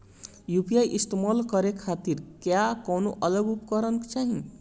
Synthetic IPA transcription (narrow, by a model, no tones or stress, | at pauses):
jupijajʔist̪mʌlkʌɾekʰat̪iɾkjakʌwnoʔʌlʌɡupkʌɾʌnkt͡saɦĩ